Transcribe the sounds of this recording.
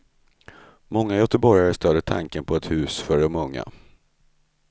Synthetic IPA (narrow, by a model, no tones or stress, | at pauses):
mɔŋːajœt̪əbɔɾjaɾəst̪œːd̪ət̪ʰa̰ŋkənpʰɔɛt̪hʉ̟ːsfœɖɔmɵŋːa̰